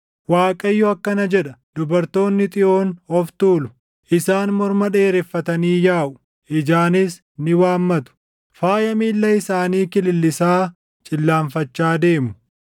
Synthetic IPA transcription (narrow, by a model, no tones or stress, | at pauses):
waːkʼɐjːʊɐkːɐnɐd͡ʒɛᶑɐd̪̥ʊbɐɾt̪o̞ːnːɪt̪ʼɪʔo̞ːnɔft̪uːlʊ | ʔɪsaːnmɔɾmɐᶑe̞ːɾɛfːɐt̪ɐniːjaːʔʊ | ʔɪd͡ʒaːnɪs | nɪwaːmːɐt̪ʊ̥ | faːjɐmiːlːɐɪsaːniːkɪlɪlːɪsaː | t͡ʃʼɪlːaːɱfɐt͡ʃːaːd̪e̞ːmʊ